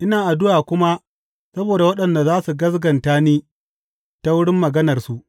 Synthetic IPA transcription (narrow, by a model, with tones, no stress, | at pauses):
ʔɪ˦naː˨ʔa˨dʊ˦ʔaː˨kʷʊ˦ma˦ | sɐ˦boː˨da˨wɐ˦ɗɐ˨nda˨zaː˦su˨ɡɐ˦sɡɐ˨ntaː˦niː˦ | ta˦wʊ˦ɽɪ˦mːɐ˨ɡɐ˦nɐ˨rsu˦ʔ